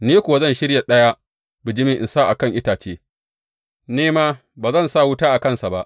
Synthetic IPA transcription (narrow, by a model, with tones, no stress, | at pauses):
neː˦kʷʊ˨wa˦zɐ˦˨nʃɪ˦ɽja˨ɗɐ˦ja˦ | bɪ˨d͡ʒɪ˦mɪ˦ʔɪ̰˨nsaː˦ʔa˨kɐ˦ŋʔɪ˦taː˨t͡ʃeː˦ | neː˦maː˦ | baː˨zɐ˦˨nsa˦˨wʊ˦taː˦ʔa˨kɐ˦nsa˨ba˦ʔ